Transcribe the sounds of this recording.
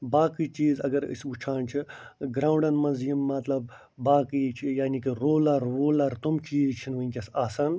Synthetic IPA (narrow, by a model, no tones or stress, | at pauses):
baːkiːt͡ʃiːzɐ̰ɡɐɾḭsut͡ʃʰaːnt͡ʃʰiɡɾaːũɳɖɐnmɐnzjimːɐt̪lɐbː | aːkit͡ʃʰijaːnikiɾoːlɐɾːoːlɐɾt̪umt͡ʃiːzt͡ʃʰinʋɐĩkʲɐsaːsɐn